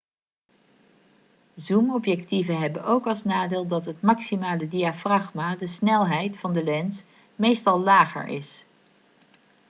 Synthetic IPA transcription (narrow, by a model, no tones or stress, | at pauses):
zumɔpjɛktivənɦɛbənʔowkɑlˠsnaːdɪːlˠdɑtɦətmɑksimaːlədiafrɑχmadəsnɛlˠɦɛjtfɑndəlɛns | mejstɑlˠlaːχə̰ɹʔɪ̰s